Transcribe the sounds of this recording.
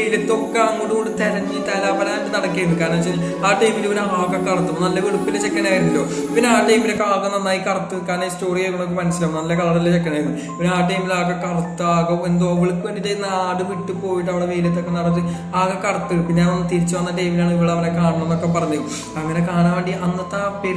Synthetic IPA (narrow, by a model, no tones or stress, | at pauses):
ejilɐt̪ːo̞kːeɐŋːuɽukoɳɖɨt̪ɐɾɐɲd͡ʑit̪ɐlaːpɐlaːndɨnɐɽɐkːiɾunːɨkaːɾnaːt͡ɕːil | aːʈɐjmilʋɐnuaːkɐkːɐrɐt̪ːumnɐlːɐʋiɽupːilt͡ɕekːɐnaːjiɾunːilːoː | pinːeaːʈɐjmilokːaːkumnːɐnːaːjikɐrɐt̪ːɨkaːɾnaːisto̞ːrijɐkunːok̬ːemɐnɐsilɐmnɐlːɐkɐɭɐɽilːt͡ɕekːɐnaːjɾunːɨ | pinaːʈɐjmilaːɣɐkɐrɐt̪ːɨaːɣɐend̪oʋɐɭkːɨʋenɖitejnːaːɽɨʋiʈːɨpo̞ːjiʈ̬ːɐʋiɽeʋeːlijt̪ːo̞kːenɐɽɐtːɨ | aːɣɐkɐrɐt̪ːɨpinːeaːnonːɨt̪iɾit͡ɕːuʋɐnːɐʈɐjmilaːɳɨiʋiɭeɐʋɐnekaːɳɐmenːokːe̞pɐrɐɲːu | ɐŋːɐnekaːɳaːʋeɳɖiʔɐnːɐt̪ːaːpe